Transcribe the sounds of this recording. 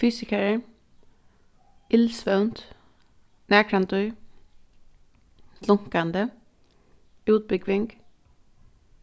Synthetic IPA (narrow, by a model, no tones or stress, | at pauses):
fyːsɪkɛɾə | ɪlsʋœwnt̪ | næːkʰɾant̪ʊj | lʊŋ̥kand̪ə | ʉːt̪̚bʏɡʋɪŋk